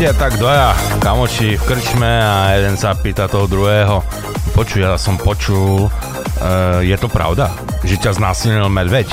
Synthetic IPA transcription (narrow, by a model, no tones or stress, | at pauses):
at̪aɡd̪ʋɔjakamɔt͡ʃifkr̩t͡ʃmɛajɛd̪ɛnsapiːt̪at̪ɔɦɔd̪ɾuɦɛːɦɔ | pɔt͡ʃujasɔmpɔt͡ʃul | jɛt̪ɔpɾa̰ʊd̪a | ʒɛcaznaːsilɲilmaɟʋɛc